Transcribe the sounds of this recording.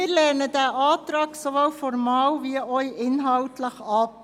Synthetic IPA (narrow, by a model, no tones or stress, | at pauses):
ɪɾlɛɾnədæːʔɑːtɾɑːksoʋowfɔɾmɑːwʋiəœʏʔɪnɦɑltʰləχɑp̚